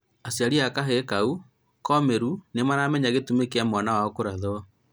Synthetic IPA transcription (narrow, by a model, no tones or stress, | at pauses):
asjaɾiakaɦekau | kɔmeɾunemanaːmɛɲaɣetumekeamwanawaɔkoɾaðoɔ